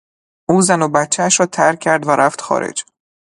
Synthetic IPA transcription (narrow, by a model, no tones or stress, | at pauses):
ʔuːzænobæt̪t͡ʃʰːææʃɾɒːt̪ʰæɾcʰæɾd̪væɾʔæft̪xɒ̰ːɾḛd͡ʒ